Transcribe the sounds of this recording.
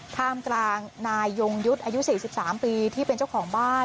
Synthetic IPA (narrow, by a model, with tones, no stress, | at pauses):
t̪ʰaː˧mklaː˧ŋnaː˧jːo˧ŋju˦˥t̪̚ʔaː˧ju˦˥siː˨˩si˨˩p̚saː˩˦mpiː˧t̪ʰiː˥˩pe˧nt͡ɕa˥˩wkʰɔː˩˦ŋbaː˥˩